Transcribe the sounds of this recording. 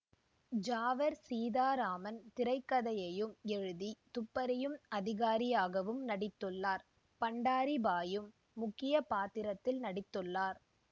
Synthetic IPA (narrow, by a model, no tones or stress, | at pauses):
d͡ʒaːʋɐɾsiːðaːɾaːmɐnt̪ɪɾɐɪkːɐðɐjɐjɯmɛɻɯðit̪ʊpːɐɾɐjɯmɐðɪɣaːɾɪjaːɣɐʋɯmnɐɽɪt̪ːɯɭːaːɾ | pɐɳɖaːɾibaːjɯmː | ʊkːɪjɐpaːt̪ɪɾɐt̪ːɪlnɐɽɪt̪ːɯɭːaːɾ